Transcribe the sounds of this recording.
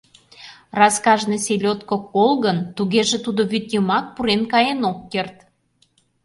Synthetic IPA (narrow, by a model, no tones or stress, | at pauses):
rɑskɑʒneselʲot̪kokolɣənt̪uɣeʒet̪ud̪oβyt̪jəmɑk̚puɾenkɑjenokːert̪